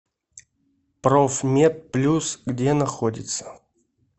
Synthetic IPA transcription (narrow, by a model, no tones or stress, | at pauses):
pɾofmʲet̪̚plʲusɡdʲenɐxodʲɪ̰t̪sə̥